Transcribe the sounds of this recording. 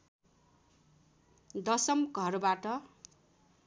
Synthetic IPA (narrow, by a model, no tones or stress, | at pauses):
d̪ʌsʌmɡʱʌrbaʈʌ